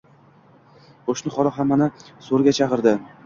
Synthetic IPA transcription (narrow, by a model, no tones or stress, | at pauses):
qʰoʃnɪχɒlɑɦamːanɪsoɾɡʲat͡ʃʰɑqɨɾd̪ɪ